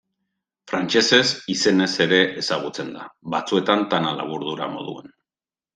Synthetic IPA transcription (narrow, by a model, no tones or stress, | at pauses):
fɾant͡ʃe̞se̞sise̞ne̞se̞ɾe̞ʔesaɣ̞ut͡se̞nd̪abat͡sue̞t̪ant̪anala̰β̞uɾðuɾa̰mo̞̰ðṵe̞n